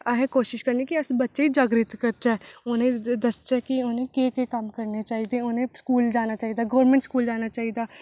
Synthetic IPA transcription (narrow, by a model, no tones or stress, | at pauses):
ɐɦẽkoːʃɪʃkɐɾnikiɐsbɐtːʃeid͡ʒaːɡɾɪt̪kəɾt͡ʃ̪ɛʊnẽd̪ɐst͡ʃɛkiʊnẽkekekɐmkəɾnet͡ʃaːɦid̪ẽʊnẽskuːld͡ʒaːnat͡ʃaːɦid̪aɡoːɾmẽːɳʈskuːld͡ʒaːnat͡ʃaːɦid̪aː